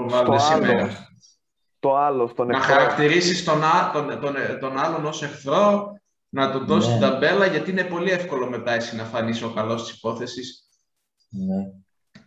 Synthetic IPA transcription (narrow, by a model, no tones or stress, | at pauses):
ovɐlet̪essimeɾɐ | t̪oɐlost̪onnɐxɐɾɐkt̪iɾisist̪o̞nɐt̪ont̪ont̪o̞nɐlo̞no̞se̞xθɾo̞ | nɐt̪oðo̞sit̪id̪ɐbe̞lɐʝɐt̪iine̞po̞liefko̞lo̞me̞t̪ɐe̞sinɐfɐnisio̞kɐlo̞st̪i̥si̥po̞θe̞sis